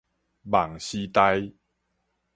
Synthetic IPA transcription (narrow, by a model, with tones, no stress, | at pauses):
ba˨˩ŋɕi˦t̪a˦˧j